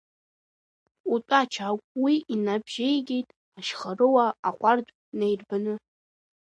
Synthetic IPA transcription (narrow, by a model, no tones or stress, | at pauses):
utʷʼat͡ʃʰakʷʼwiʔinabʒ̥ejɡʲe̞jtʼ | aʃχarɨwaːqʷʼardʷʼ | nejrbanɨ